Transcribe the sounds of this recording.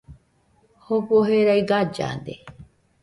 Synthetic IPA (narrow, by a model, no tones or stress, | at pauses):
hokoɦeɾajɡad͡ʒa̰nd̪e